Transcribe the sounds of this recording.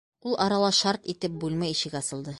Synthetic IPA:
ulˠʔɒɾɑlˠɑʃɑɾt̪it̪ɘp̚bʉlmæjiɕɘ̆kɒsɤ̆lˠd̪ɤ

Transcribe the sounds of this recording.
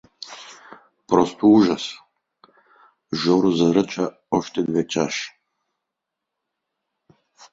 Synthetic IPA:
pɾɔst̪ʰouʒas | ʒɔɾuzaɾət͡ʃa | ɔʃt̪ɛd̪vɛt͡ʃaʃ

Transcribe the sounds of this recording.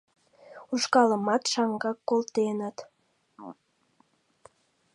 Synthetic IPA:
uʃkɑləmɑt̪ʃɑŋɡɑkːolt̪enət̪

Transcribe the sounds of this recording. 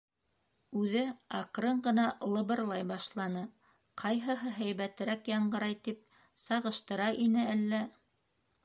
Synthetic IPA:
ʉðɘɑqɾɤɴɢɤ̆nɑlˠɤ̆βɤ̆ɾlˠɑjbɑʃlˠɑnɤ | qʰɑjɦɤ̆ɦɤɦæjβæt̪ɘ̆ɾækjɑɴɢɤ̆ɾɑjt̪ip̚ | sɑʁɤ̆ʃt̪ɤ̆ɾɑʔinɘælːæ

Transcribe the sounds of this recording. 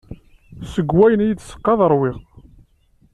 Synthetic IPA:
səɡwæjənjəd̪sə̥qːɑðˤəɾˤwɪʁ

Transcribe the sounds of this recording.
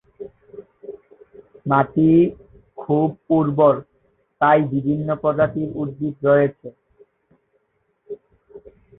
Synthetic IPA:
mat̪i | kʰub̚puɾboɾ | t̪ajbibʱinːopɾɔd͡ʑat̪iɾud̪d̪it̪ɾojet͡ɕʰe

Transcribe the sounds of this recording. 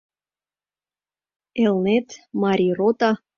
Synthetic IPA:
elnet̪mɑɾʲirot̪ɑ

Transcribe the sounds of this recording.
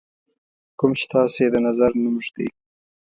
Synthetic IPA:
kʊmt͡ʃe̥t̪ɑsed̪ənazaɾnumʒd̪ḛj

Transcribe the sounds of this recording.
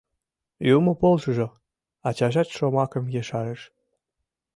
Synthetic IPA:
jumopolʒɤʒo | ɑt͡ɕɑʒɑt̪ʃomɑkə̆mjeʃɑɾə̆ʃ

